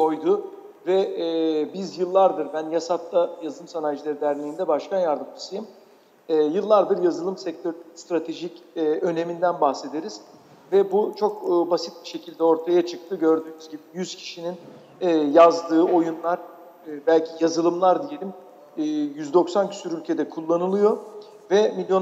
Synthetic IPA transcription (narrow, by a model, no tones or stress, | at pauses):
kʰo̞jd̪ʊ | vɛ | bizjɯlˠːaɾd̪ɯɾbænjasat̪lajazɯlˠɯmsanajd͡ʒɯlˠaɾid̪æɾlʲejind̪ɛbaʃkʰanjaɾd̪ɯmd͡ʒʰɯsɯjɯmː | jɯlˠːaɾd̪ɯɾjazɯlˠɯmsɛc̚t̪ʰøɾst̪ɾat̪ʰe̞ʒicːø̞ne̞mind̪ænbahxse̞d̪e̞ɾiz̥ | vɛbut͡ʃʰo̞kːbasit̪̚biʃe̞cʰilʲd̪ɛo̞ɾt̪ʰajat͡ʃʰɯk̚t̪ʰɯɟø̞ɾd̪yːmyzɟibijyz̥cʰi̥ʃinin | ɛjazd̪ɯːo̞junlˠaɾ̥ː | bælʲcʰijazɯlˠɯmlˠaɾd̪ije̞lʲimː | jyzd̪oksancʰy̥syɾylʲcʰe̞d̪ɛkʰulˠːanɯlˠɯjo̞ | vɛmilʲjo̞